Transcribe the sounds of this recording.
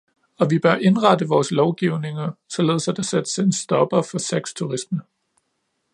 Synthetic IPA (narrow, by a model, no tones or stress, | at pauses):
ɒ̽ʋib̥ɶɐʔe̝nʁɑ̈d̥əʋɒːslɒʊɡ̥iʊne̝ŋɐsɒ̽le̝ːð̞̩ˠsæd̥æsed̥sensd̥ɒ̽b̥ɐfɒ̽seɡ̥st͡sʰuʁisnə